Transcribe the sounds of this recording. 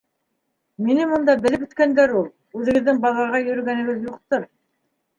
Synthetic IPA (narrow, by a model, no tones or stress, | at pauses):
minɘmŏnd̪ɑbɘ̆lɘpɵ̆t̪kænd̪æɾulˠ | ʉðɘ̆ɡɘ̆ðːɘŋbɑlˠɑʁɑjɵ̆ɾɵ̆ɡænɘ̆ɡɘðjuqt̪oɾ